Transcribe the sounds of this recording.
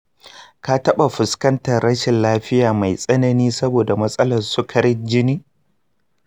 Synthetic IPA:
ka˦tɐ˦ɓa˨ɸʊ˨skɐ˦ntɐ˨rɾɐ˦ʃɪ˨nlaː˦ɸɪ˦jaː˨ma˨jsʼɐ˦nɐ˦niː˦sɐ˦boː˨da˨mɐ˦sʼɐ˦lɐ˨rsʊ˦kʰɐ˦ɾɪ˦d͡ʒɪ˦niː˦

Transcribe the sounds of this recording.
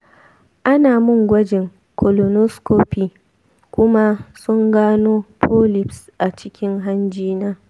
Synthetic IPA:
ʔa˦naː˨mʊ˦˨ŋɡʷɐ˦d͡ʒɪ˨ŋ | kʰo˨lo˨no˦skoː˦piː˨ | kʷʊ˦ma˦sʊ˦ŋɡaː˦noː˦pʰoː˦lɪ˨psʔa˨t͡ʃɪ˦kʲɪ˦ŋɦa˦nd͡ʒiː˦naː˦

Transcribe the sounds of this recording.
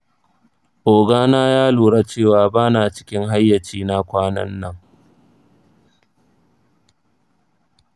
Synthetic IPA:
ʔoː˨ɡaː˦naː˦jaː˦luː˨ɽa˦t͡ʃeː˦˨waː˨baː˦naː˨t͡ʃɪ̥˦kʲɪ˦ŋɦa˦jːɐ˨t͡ʃiː˦na˦kʷaː˦nɐ̰˦nːɐ˦ŋ

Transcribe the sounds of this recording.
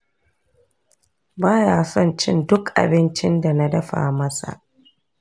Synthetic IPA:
baː˦jaː˦sɔ˦˨nt͡ʃɪ̰˦ndʊ˦kʔa̰˨bɪ˦nt͡ʃɪ˦nda˨na˦dɐ˦ɸa̰ː˨mɐ˦sa̰˨ʔ

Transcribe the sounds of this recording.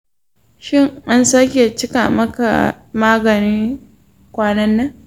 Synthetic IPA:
ʃɪ˦˨ŋʔa˦nsaː˦kʲe˨t͡ʃɪ˦ka˨mɐ˦ka̰˨ | maː˦ɡɐ˨niː˦ | kʷaː˦nɐ˦nːɐ˦ŋ

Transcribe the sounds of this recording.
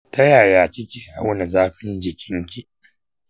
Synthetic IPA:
tɐ˦jaː˨jaː˨kʲɪ˦kʲeː˨ʔa̰˦wna˨zaː˦ɸɪ˦nd͡ʒɪ˨kʲɪ˦ŋkʲi˦

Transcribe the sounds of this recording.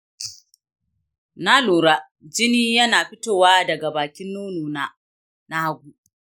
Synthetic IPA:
na˦luː˨ɾa˦ | d͡ʒɪ˦niː˦jɐ˦naː˨ɸɪ˦toː˦˨waː˦dɐ˨ɡa˨baː˨kʲɪ˦nːoː˦nuː˨naː˦ | na˦ha˦ɡʷuː˦ʔ

